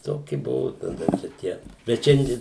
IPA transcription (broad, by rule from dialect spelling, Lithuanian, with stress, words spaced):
ˈtoːkʲɪ ˈbʊʋʊ tɐˈdɐ t͡ʃʲɛ ˈtʲiɛ bʲɛt ˈʃʲɛnʲdʲiɛ